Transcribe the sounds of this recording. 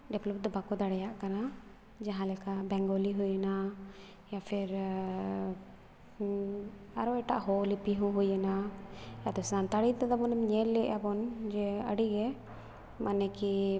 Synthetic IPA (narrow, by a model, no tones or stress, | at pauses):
ɖɛblɔp̚d̪ɔbakɔd̪aɽɛjaʔkana | d͡ʒaɦãlɛkabɛŋɡɔliɦujana | japʰɛɾ | aɾɔɛʈa̰ʔɦɔlipiɦɔ̃ɦujanajad̪ɔsant̪aɽit̪ad̪abɔnmɲɛlːɛjabɔnd͡ʒɛə̰ɖiɡɛ | manɛki